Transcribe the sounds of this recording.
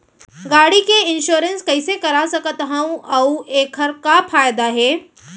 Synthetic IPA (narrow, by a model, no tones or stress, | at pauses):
ɡaːɽikeɪnʃoːɾə̃nskɐɪsekɐɾasɐkət̪ɦə̃ũʔɐuʔeːkʰɐɾkafaːjd̪aɦɛː